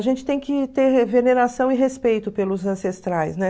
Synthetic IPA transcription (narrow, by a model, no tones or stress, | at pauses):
aʒẽnt͡ʃɪ̥t̪ẽj̃kɪt̪eɾveneɾasɐ̃w̃ɪɦespejt̪ʊpelʊzɐ̃sest̪ɾajsnɛ